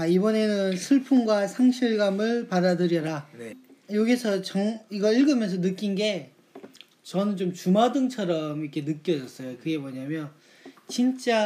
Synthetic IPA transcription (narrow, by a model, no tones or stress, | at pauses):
aibʌne̞nɯnsʰɯɭpʰuŋɡwasʰaŋɕʰiɭɡamɯɭpadadɯɾjʌɾanejoɡisʰʌt͡ɕʌŋiɡʌɾiɭɡɯmjʌns̬ʰʌnɯk͈inɡe̞ | t͡ɕʌnɯnt͡ɕomt͡ɕumadɯŋt͡ɕʰʌɾʌmikʰe̞nɯk͈jʌd͡ʑʌs͈ʌjokɯɡe̞mʌɲamjʌn | t͡ɕint͡ɕ͈a